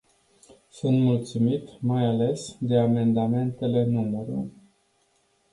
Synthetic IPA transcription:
sunt̪mult̪sumit̪majale̞sd̪e̞ame̞nd̪ame̞nt̪e̞le̞numeɾu

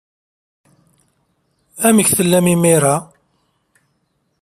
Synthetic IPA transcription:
æməçθəlːæmimiɾˤa

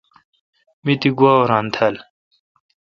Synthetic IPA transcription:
mit̪iɡwaːoɾãːnt̪ʰɐl

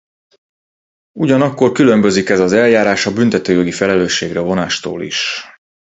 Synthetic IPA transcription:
uɟɒnɒkːo̞rkylø̞mbø̞zikɛzɒzɛljaːɾaːʃɒbynt̪ɛt̪øːjo̞ɡifɛlɛløːʃːeːɡrɛvo̞naːʃt̪o̰ːlḭʃ

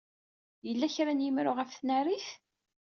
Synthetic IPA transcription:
jəlːæçɾænjəmɾʊʁəfθnæɾiθ

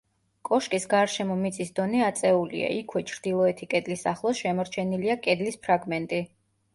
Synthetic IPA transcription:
kʼɔʃkʼisɡaɾʃɛmɔmit̪sʼisd̪ɔnɛat̪sʼɛulḭa̰ʔikʰwɛt͡ʃʰɾd̪̥ilˠɔɛt̪ʰikʼɛd̪lisaχlˠɔsʃɛmɔɾt͡ʃʰɛniliakʼɛd̪lispʰɾaɡmɛnt̪ʼi

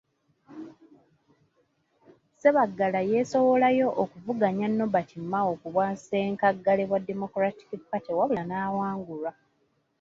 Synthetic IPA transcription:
se̞βaɡːalaje̞so̞wo̞lajo̞ʔːkuvuɡaɲanːo̞batʰimːaokuβwanse̞ːŋkaɡːale̞βwadːemo̞kɾati̥kipːatiwaβulanaːwaːŋɡula

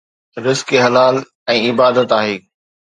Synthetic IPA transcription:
ɾɪzkeɦɐlaːl | ɛ̃ːɪbaːd̪ət̪aːɦeː

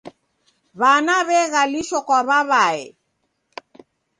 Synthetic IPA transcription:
βanaβɛɣaliʃokɔβaβae

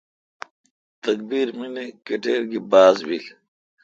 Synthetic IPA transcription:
t̪ɐk̚biːɾminikeʈeːɾɡibaːzbil

